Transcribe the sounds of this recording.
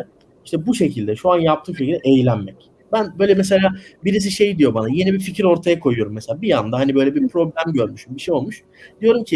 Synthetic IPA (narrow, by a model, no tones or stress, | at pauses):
iʃt̪ʰɛbuʃe̞cʰilʲd̪ɛʃuanjap̚t̪ʰɯːmʃecʰilʲd̪ɛʔejlʲænmɛc | bænbø̞jlʲɛmɛs̬elʲaːbiɾis̬iʃe̞jd̪ijo̞banaje̞nibificʰiɾo̞ɾt̪ʰajakʰo̞jujo̞ɾumːeselʲaːbijand̪aɦanibø̞jlʲɛbipʰɾo̞blʲæmɟøɾmyʃymbiʃejo̞lˠmuʃ | d̪ijo̞ɾumcʰi